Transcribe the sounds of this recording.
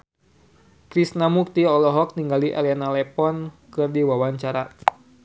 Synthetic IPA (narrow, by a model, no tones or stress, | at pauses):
kɾisnamuk̚t̪iɔlɔɦɔk̚niŋɡaliʔa̰lianalɛpɔnkɨrdiwawaɲt͡ʃaɾa